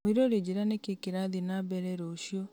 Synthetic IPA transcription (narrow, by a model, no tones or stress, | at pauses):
miɾoɾeɟiɾanekekiɾaðinaβɛɾɛɾoʃjo